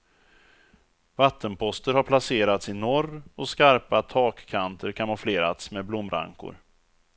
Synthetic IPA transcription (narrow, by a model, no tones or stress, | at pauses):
vat̪ːənpʰɔst̪əɾhaɾpʰlaseːɾat̪sɪnɔrɔskaɾpat̪ʰɑːkʰːant̪ʰəɾkʰanmɔfleːɾa̰t̪smɛblʊmːɾa̰ŋkʊ̰ɾ